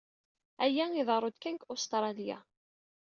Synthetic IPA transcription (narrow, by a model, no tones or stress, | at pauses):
æjæiðˤɾˤod̪kænkost̪ɾˤɑlija̰